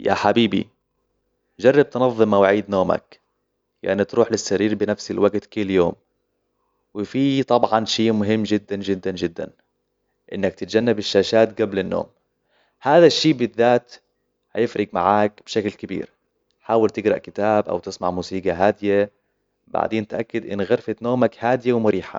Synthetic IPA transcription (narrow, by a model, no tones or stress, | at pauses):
ja̰ħabiːbḭ | d͡ʒɑrˤːɑb̚t̪nɑðˤːɨmawʕiːd̪noːma̰k | ja̰ʔnit̪ɾuːħlɪsːaɾiːɾbɪnafsɪlwaɡt̪kʊlːjoːm | wɪfiːt̪ˤɑbʕɑnʃiːmʊɦɪmːd͡ʒɪd̪ːand͡ʒɪd̪ːand͡ʒɪd̪ːa̰n | ʔɪnːakt̪ɪt̪̚d͡ʒanːabɪʃːaːʃaːt̪ɡablɪnːo̰ːm | haːðaʃːiːbɪðːaːt̪ | hajɪfɾˤɪɡma̰ʕaːkb̥ʃaklkabḭːɾ | ħaːwɪlt̪ɪɡɾˤɑʔkɪt̪aːbʔa̰wt̪ɪsmaʕmuːsiːɡɑɦaːd̪ɪja | ba̰ʕd̪eːnt̪ʔakːɪd̪ʔɪ̰nːɣaɾfat̪noːmakhaːd̪ɪjawmʊɾʔiːħa̰